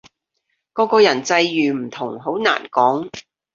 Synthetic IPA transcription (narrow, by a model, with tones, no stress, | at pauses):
kɔː˨˧kɔː˧jɐ˨˩nt͡sɐ˧jjyː˨˩m̩˨˩t̪ʰʊ˨˩ŋɦo˨˥wna̰ː˨˩nkɔː˨˥ŋ